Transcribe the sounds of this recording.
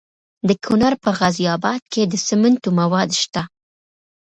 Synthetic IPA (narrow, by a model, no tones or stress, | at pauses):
d̪əkʰʊnaɾpəɣazijɑbɑd̪̚ked̪əsɪmənt̪omawɑd̪ʃt̪a